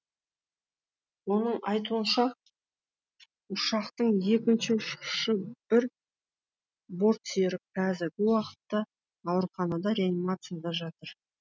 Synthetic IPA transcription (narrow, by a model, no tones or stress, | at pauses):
wo̞nəɴɑjt̪uənʃɑ | ʊʃɑqt̪əɴje̞kʲɪnʃɪʊʃqʃɪb̥ɪɾ | bo̞ɾt̪seɾɪp̚kʰæzɪɾɡʲɪwɑqə̥t̪ːɑː | wəɾχɑnɑd̪ɑɾe̞animat̪sɨjad̪ɑʒɑt̪əɾ